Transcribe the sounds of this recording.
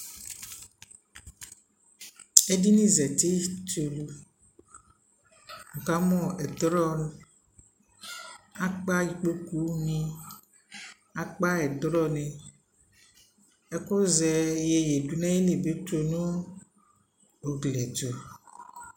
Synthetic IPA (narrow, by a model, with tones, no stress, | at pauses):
e˦di˦nĩ˦zɛ˨t̪e˦to˨lu˨ | ŋ̩˨ka˦mɔ̃˦ɛ˨d̪ɾɔ˦ | a˦k͡pa˦ji˨k͡po˦ku˦nĩ˦ | a˨k͡pa˦ɛ˨d̪ɾɔ˦nẽ˨ | e˦ko˦zɛ˨je˨je˨du˨nã˦je˦le˨be˦to˨nũ˦ | o˨ɡle˨d͡ʒo˨